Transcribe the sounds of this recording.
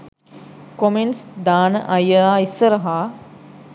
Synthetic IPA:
komensd̪aːnə̰ʔɐjəlaːisːəɾəɦaː

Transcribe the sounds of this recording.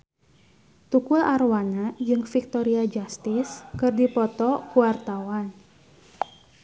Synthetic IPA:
t̪ukʊlarwanad͡ʒɨŋfik̚t̪ɔɾiad͡ʒast̪ɪskɨrdipɔt̪ɔkuwart̪awan

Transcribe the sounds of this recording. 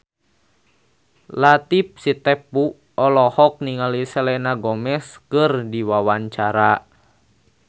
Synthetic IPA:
lat̪ip̚sit̪ɛpu | ɔlɔhɔk̚niŋalisɛlɛnaɡɔmɛskɨrdiwawaɲt͡ʃaɾa

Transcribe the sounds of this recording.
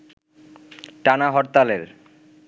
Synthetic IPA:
ʈanaɦɔɾt̪aleɾ

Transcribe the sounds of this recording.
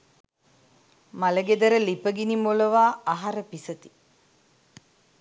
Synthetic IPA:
maləɡed̪əɾəlipəɡinimoləʋaːaɦaɾəpisət̪i̥

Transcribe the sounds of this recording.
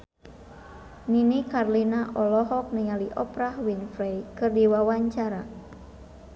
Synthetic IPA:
ninikarlinaʔɔlɔɦɔk̚niŋaliʔɔpɾahwinfɾejkɨrdiwawaɲt͡ʃaɾa

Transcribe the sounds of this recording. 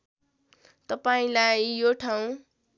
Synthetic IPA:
t̪ʌpaĩlajjoʈʰaw̃

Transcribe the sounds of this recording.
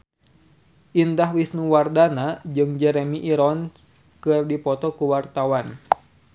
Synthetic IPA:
ʔindaɦwisnuwardanad͡ʒɨŋd͡ʒɛɾemiʔiɾɔn | kɨrdipɔt̪ɔkuwart̪awan

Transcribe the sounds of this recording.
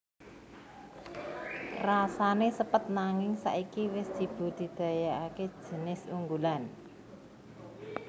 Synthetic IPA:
rasanesəpət̪̚naŋɪŋsa̰ʔikiwɪsʒ̥i̤b̥ṳd̪̥i̤d̪̥a̤jaake̥ʒ̥ə̤nɪsuŋɡulan

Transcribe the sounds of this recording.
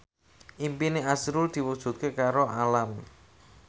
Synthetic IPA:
ʔimpineasɾʊld̪̥i̤wuk̚ʒ̥ṳt̪̚kekaɾoʔalam

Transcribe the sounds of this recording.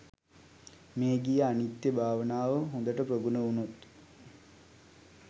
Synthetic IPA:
meːɡijəanit̪jəbʱaːʋənaːʋəɦond̪əʈəproɡunəunut̪

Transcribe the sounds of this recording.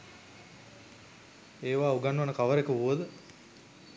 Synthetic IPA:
eːʋaːuɡanːuʋanəkaʋəɾekəuʋəd̪ə

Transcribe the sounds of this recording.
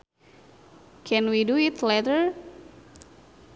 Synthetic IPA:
kʰɛ̃nwiduit̪lɛtəɹ

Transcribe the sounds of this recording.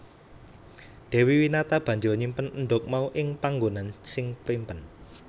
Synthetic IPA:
ɖ̥ɛ̤wiwinat̪ab̥a̤ɲd͡ʒɔɲimpənənɖʊk̚mauʔɪŋpaŋɡonansɪŋpimpən

